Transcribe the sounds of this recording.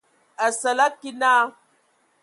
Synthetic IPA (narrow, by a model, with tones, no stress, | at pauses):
a˨sa˨la˦kːi˦na˦